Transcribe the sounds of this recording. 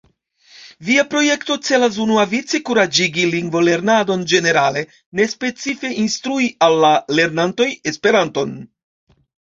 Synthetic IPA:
viapɾo̞je̞kto̞t͡se̞las̬unuavit͡sikuɾad͡ʒiɡiliŋɡvo̞le̞ɾnado̞nd͡ʒe̞ne̞ɾale̞ | ne̞spe̞t͡sife̞ʔinst̪ɾuialːale̞ɾnanto̞je̞spe̞ɾanto̞n

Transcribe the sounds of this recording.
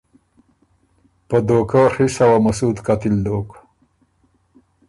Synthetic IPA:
pəd̪okəxisawamasud̪kat̪ild̪ok

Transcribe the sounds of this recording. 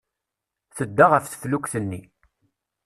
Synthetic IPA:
θəd̪ːaʁəfθə̥flukθənːi

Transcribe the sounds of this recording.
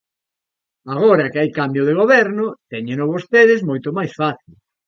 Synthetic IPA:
aɣ̞oɾɐkɪajkambjʊð̞eɣ̞oβɛɾnʊt̪ɛɲenoβost̪eðɪzmojt̪ʊmajsfaθil

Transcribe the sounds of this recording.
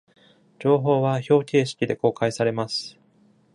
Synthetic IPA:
d͡ʑo̞ːɦo̞ːβaço̞ːkʲe̞ːɕi̥kʲid̪e̞ko̞ːkaisaɾe̞masɨ̥

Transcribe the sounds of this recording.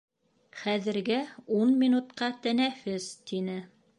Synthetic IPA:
χæðɘ̆ɾɡɘunmʲinut̪qɑt̪ænæfɘzt̪inɘ

